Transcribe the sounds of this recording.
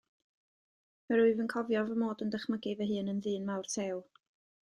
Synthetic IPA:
məɾʊɨvənkʰɔvjɔvəmoːdəndəχməɡɪvɛɦɨːnənðɨːnmawrtʰew

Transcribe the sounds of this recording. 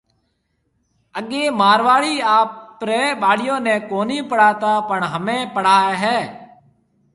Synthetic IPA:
əɡeːmaːɾʋaːɭiːaːpɾeːɓaːɽɪjõːnẽːkoːniːpəɽ̤aːt̪aːpəɳɦəmẽːpəɽ̤aːaɦɛː

